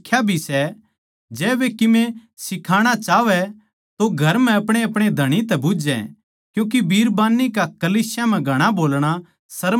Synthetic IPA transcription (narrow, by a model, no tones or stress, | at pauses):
kʰjabʱisɛ | d͡ʒɛːʋekɪmẽ | sɪkʰaːɽ̃at͡ʃaːʋɛ | t̪oɡʱɐɾm̤ɛ̃ɐpɽ̃eɐpɽ̃ed̪ʱɐɽ̃it̪ɛ̃bʊd͡ʒɛ̰̃ | kjũːk̬ibʱiːɾbaːnːikakɐliːsjam̤ɛ̃ɡʱɐɽ̃aboːlɽ̃a | sɐɾ